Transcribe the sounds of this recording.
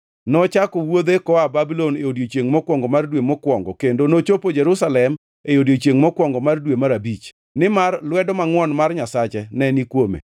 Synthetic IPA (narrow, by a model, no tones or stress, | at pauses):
nɔt͡ʃakɔwod̪ekɔababilɔneodjot͡ʃjeŋmɔkwɔŋɡɔmardwemɔkwɔŋɡɔkendonot͡ʃopod͡ʒɛɾusalɛm | eodjot͡ʃjeŋmɔkwɔŋɡɔmardwemaɾabit͡ʃ | nɪmarlwɛdɔmaŋwɔnmarɲasat͡ʃɛnɛnikwomḛ